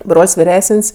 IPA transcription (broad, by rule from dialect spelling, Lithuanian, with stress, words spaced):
ˈbroːlʲsʲ ʋʲɪˈrʲæːsənʲsʲ